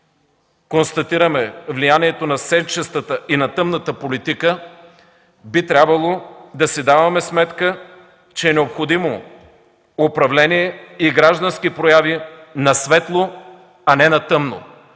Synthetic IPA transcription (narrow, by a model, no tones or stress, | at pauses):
konst̪ɐt̪iɾəmɛvlijaniɛt̪onɐsɛt͡ʃɛst̪ət̪əinɐt̪ɤmnət̪əpolit̪ikə | bit̪ɾʲabvɐlˠod̪ɐsɛd̪avɐmɛsmɛt̪kə | t͡ʃɛːnɛopxod̪imo | opɾɐvlɛniɛiɡɾaʒd̪ɐnsk̟ipɾojavinɐsvɛt̪lˠo | ɐnɛnɐt̪ɤmno̰